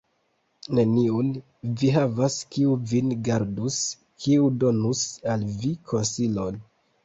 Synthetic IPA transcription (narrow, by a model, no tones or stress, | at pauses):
ne̞niun | viɦavaskiuvinɡaɾdus | kʰiudo̞nusalvikʰo̞nsilo̞n